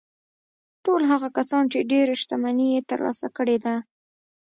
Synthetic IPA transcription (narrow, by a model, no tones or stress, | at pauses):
ʈolɦaɣakasɑnt͡ʃeɖeɾʃt̪amanijet̪ə̰ɾlɑ̰sa̰kəɽed̪a